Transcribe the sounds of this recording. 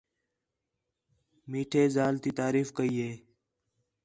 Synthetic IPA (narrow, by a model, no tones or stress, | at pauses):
miːʈʰeːzaːlt̪it̪aːɾiːfkəiːɦeː